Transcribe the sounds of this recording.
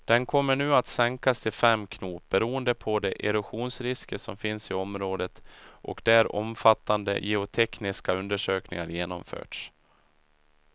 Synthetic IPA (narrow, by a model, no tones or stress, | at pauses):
d̪̥ɛnkʰɔmːəɳʉ̟ːat̪sɛŋkast̪ʰɪlfɛmːkʰnuːp̚bɛɾuːənd̪əpʰɔd̪ɛʔɛɾɵɧuːnsɾɪskəsɔmfɪnsɪɔmɾoːd̪ət̪ʔɔ̰kd̪̥ææɾɔ̰mfat̪ːand̪ə̰jɛʊt̪ʰɛknɪskaɵnd̪əʂøːknɪ̰ŋa̰ɾjeːnɔmfø̰ːʈʂ